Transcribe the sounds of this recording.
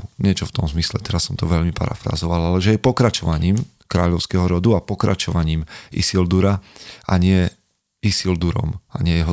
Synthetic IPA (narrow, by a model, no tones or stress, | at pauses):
ɲɪɛt͡ʃɔft̪ɔmzmislɛt̪ɛɾasːɔmt̪ɔʋɛʎmipa̰ɾa̰fɾa̰zɔʋalalɛʒɛɛpɔkɾat͡ʃɔʋaɲiːm | kɾaːʎɔʊskɛɦɔɾɔd̪uapɔkɾa̰t͡ʃɔʋaɲiːmḭsild̪uɾaʔa̰ɲɪɛ | isild̪uɾɔ̰ma̰ɲɪɛjɛɦɔ